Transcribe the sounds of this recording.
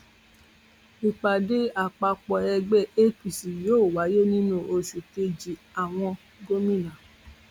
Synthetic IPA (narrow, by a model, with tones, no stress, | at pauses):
i˨k͡pa˨de˦a˨k͡pa˧k͡pɔ˧ɛ˧ɡ͡bɛ˦˨e˦pi˨si˨joː˨˦˨wa˨˦je˦nĩ˦nũ˦ʔo˧ʃu˨te˧d͡ʒi˨a˨w̃ɔ̃˧ | ɡo˧mĩ˦˨nã˨